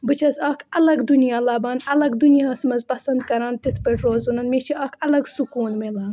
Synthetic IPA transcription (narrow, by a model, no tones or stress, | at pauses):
bɨt͡ʃʰɐzaːkʰɐlɐɡd̪unijaːlaːbaːnɐlɐɡd̪unijaːsmɐzpɐsɐnd̪kɐɾãːnt̪it̪ʰpɐʈɾoːzunɐnmeːt͡ʃʰiʔaːkʰɐlɐɡsukuːnmelaːn